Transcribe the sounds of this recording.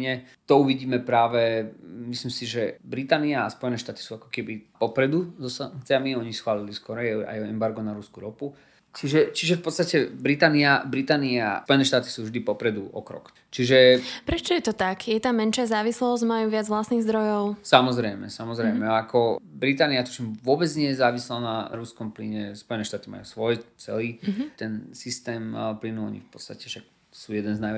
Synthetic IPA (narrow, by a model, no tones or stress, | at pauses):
ɲɛt̪ɔuʋiɟiːmɛpɾaːʋɛmislimsiʒɛbɾit̪aːniaːspɔjɛnɛːʃt̪aːt̪i̥suːakɔ̥kɛbipɔpɾɛd̪uzɔsaŋk̚t͡sɪamiɔɲisxʋaːliliskɔɾɛjɛa̰jɛmbaɾɡɔnaɾuskuɾɔpu | t͡ʃiʒɛt͡ʃiʒɛfpɔt̪st̪acɛbɾit̪aːniabɾit̪aːnia̰pɔjɛnɛːʃt̪aːt̪i̥suːvʒd̪ipɔpɾɛd̪uɔ̰kɾɔ̰k | t͡ʃiʒɛpɾɛt͡ʃɔjɛt̪ɔt̪akjɛt̪aːmɛnʃɪazaːʋislɔzɟmajuːʋɪad͡zʋlasniɣzd̪ɾɔjɔʊsamɔzɾɛjmɛ̰samɔzɾɛjmɛakɔbɾit̪aːniat̪ɔt͡ʃimʋʊɔbɛd͡zɲɪɛjɛzaːʋislanaɾuskɔmplḭɲɛspɔjɛnɛːʃt̪aːt̪ima̰jṵːsʋɔjt͡sɛ̰liːt̪ɛnsist̪ɛːmplinuɔ̰ɲḭfpɔt̪st̪acɛʃak | suːjɛd̪ɛnznajɛ